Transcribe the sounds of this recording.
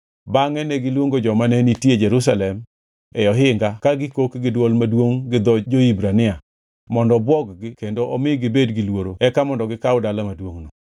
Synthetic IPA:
baŋɛnɛɡɪlwoŋɡod͡ʒɔmanɛnitjed͡ʒɛɾus̬alɛm | ɛjɔɦɪŋɡakaɡɪkokɡɪdwolmadwoŋɡɪd̪ɔd͡ʒoibɾanɪa | mɔndɔbwɔɡɡɪkendoʔɔmɪɡɪbedɡɪlwoɾoɛkamɔndɔɡɪkaʊdalamadwoŋnɔ

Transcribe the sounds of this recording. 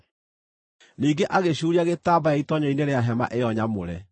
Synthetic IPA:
niːɡeʔaɣeɕuːɾiaɣetaːbajaitɔɲɔineɾeaɦɛma̰ʔejɔɲamoɾɛ

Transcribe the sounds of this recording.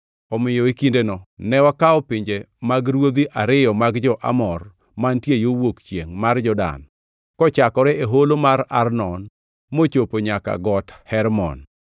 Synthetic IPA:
ɔmɪjɔikindenɔnɛwakaɔpɪɲd͡ʒe | maɡɾwod̪iʔaɾɪjɔmaɡd͡ʒɔʔa̰mɔr | mantjejowokt͡ʃjeŋmard͡ʒɔda̰n | kɔt͡ʃakɔɾɛʔeɦolomaɾa̰rnɔn | mot͡ʃopoɲaka̰ɡɔthɛɾmɔ̰n

